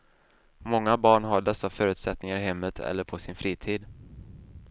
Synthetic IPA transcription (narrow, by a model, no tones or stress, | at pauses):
mɔŋːabɑːɳɦaɖɛsːafœːɾʉ̟ːt̪sɛt̪nɪŋaɾɪɦɛmːət̪ʰɛ̰lːəɾpʰɔsɪnfɾiːt̪ʰiːd̪